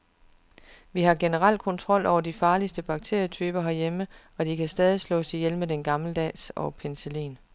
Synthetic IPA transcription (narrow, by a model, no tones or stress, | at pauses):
ʋiɦɑ̈ɡ̥e̝nəʁal̰d̚kʰɒ̽nt͡sʰʁɒ̽l̰ʔɒʊɐd̥ifɑ̈ːlisd̥əb̥ɑ̈ɡ̥̚t͡sʰe̝ɐ̰jət͡sʰyːb̥ɐɦæɐjemə | ɒ̽d̥ikʰæsd̥ɛːð̞ˠislɔ̰ːsijelmed̥enɡ̥ɑ̈mləd̥ɛ̰ːsɒpʰenselḭːn